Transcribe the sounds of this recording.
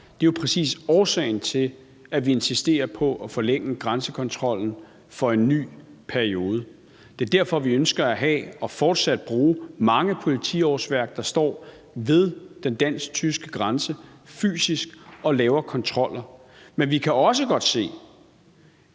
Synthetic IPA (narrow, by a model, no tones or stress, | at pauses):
d̥e̝jopʰʁɛsḭːsɒːsɛ̰ɪnt͡sʰe̝l | æʋie̝nsisd̥e̝̰ːɐpʰɒ̽ʔæfɒ̽leŋ̰əɡ̥ʁansəkʰɒ̽nt͡sʰʁɒ̽l̰n̩ | fɒ̽e̝nːy̰ːpʰæɐio̝ːð̞ˠə | d̥e̝æɐd̥æɐ̰fɒ̽ʋiønsɡ̥ɐæɦɛ̰ɒ̽fɒːd̥sæd̥̚b̥ʁuːmɑ̈ŋəpʰo̝lit͡sʰḭɒsʋæɐɡ̥̚d̥ɑ̈sd̥ɒ̰ː | ʋe̝ð̞ˠd̥end̥æn̰sɡ̥̚t͡sʰysɡ̥əɡ̥ʁansəfy̰ːsisɡ̥ɒ̽lɛːʊɐkʰɒ̽nt͡sʰʁɒ̽l̰ɐmenʋikʰæɒ̽s̬əɡ̥ɒ̽d̥se̝̰ː